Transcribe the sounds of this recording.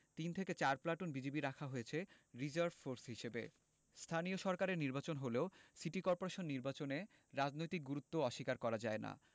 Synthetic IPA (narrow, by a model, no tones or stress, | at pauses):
t̪int̪ʰeket͡ɕaɾplaʈonbid͡ʑebiɾakʰaɦojet͡ɕʰeɾid͡ʑaɾbfoɾsɦiʃebḛ | st̪ʰanioʃɔɾkaɾeɾniɾbat͡ɕonɦoleosiʈikɔɾpoɾeʃonːiɾbat͡ɕone | ɾad͡ʑnojt̪ik̚ɡuɾut̪ːoɔʃikaɾkɔɾad͡ʑaena̰